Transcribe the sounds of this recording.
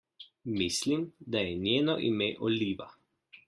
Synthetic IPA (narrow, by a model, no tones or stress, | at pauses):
mislimd̪ajɛnjeːnɔʔḭmeʔɔliːʋa̰